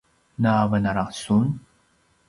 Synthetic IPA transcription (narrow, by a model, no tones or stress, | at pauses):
navənaɾaqsun